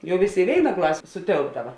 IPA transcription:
ˈjɛʊ ˈʋʲeːˌsʲeː ɪ ˈʋʲeːɪnɐ ˈklˠɑːsʲeː sʊˈtʲeːlˠbdɐʋɐ

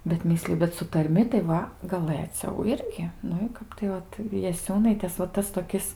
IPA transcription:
bʲɛt ˈmʲɪsʲlʲɪjʊ bʲɛt sʊ tɐrʲˈmʲɪ tɐɪ ˈʋɐ ɡɐˈlˠɘt͡sʲɛʊ ˈɪrʲɡʲɪ ˈnʊ ɪ ˈkɐp tɐɪ ˈʋɐt jɛˈsʲuːnɐɪtʲeːs ʋɐ ˈtɐs toːˈkʲɪs

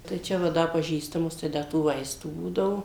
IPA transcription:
tɐɪ ˈt͡ʃʲɛ ʋɐ ˈdɐ pɐˈʒʲiːstɐmʊs tɐɪ ˈdɐ tuː ˈʋɐɪstuː ˈbuːdɐʋoː

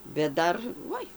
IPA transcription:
bʲɛt ˈdɐr ˈʋoːɪ

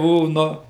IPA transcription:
ˈbuɔ ˈnʊ

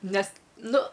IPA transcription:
ˈnʲɛs ˈnʊ

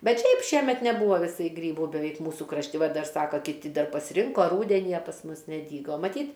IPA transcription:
ˈbʲɛt ˈʃʲɛɪp ˈʃʲiɛmʲɛt nʲɛˈbuːʋɐ ʋʲɪˈsɐɪ ˈɡrʲiːbuː bʲɛˈʋʲɛɪk ˈmuːsʊ krɐʃʲˈtʲɪ ˈʋɐ ˈdɐr ˈsɑːkɐ kʲɪˈtʲɪ ˈdɐr pɐsʲˈrʲɪŋkoː ˈruːdʲɛnʲɪ ɐ pɐs ˈmʊs nʲɛˈdʲiːɡoː mɐˈtʲiːt

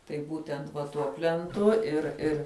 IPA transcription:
tɐɪ ˈbuːtʲɛnt ʋɐ ˈtuɔ pʲlʲɛnˈtʊ ɪr ˈɪr

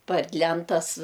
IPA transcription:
pɐr ˈlʲɛntɐs

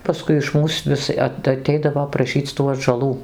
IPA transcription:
pɐˈskʊɪ ɪʃ ˈmuːs ˈʋʲɪs ɐt ɐˈtʲɛɪdɐʋoː prɐˈʃʲiːt͡s tuː ɐdʒɐˈlˠuː

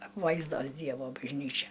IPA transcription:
ɐpˈʋɐɪzdoːs ˈdʲiɛʋoː bɐʒʲˈnʲiːt͡ʃʲɛ

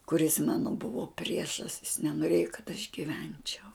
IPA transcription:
kʊˈrʲɪs ˈmɑːnoː ˈbʊʋoː ˈpʲrʲiɛʃɐs jɪs nʲɛnoːˈrʲeːjoː kɐt ɐʃ ɡʲɪˈʋʲɛnʲt͡ʃʲɛʊ

